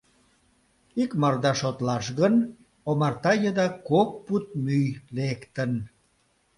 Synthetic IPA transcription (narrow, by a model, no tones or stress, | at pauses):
ikmɑrd̪ɑʃot̪lɑʃɣən | omɑrt̪ɑjəd̪ɑkok̚put̪̚myjlekt̪ən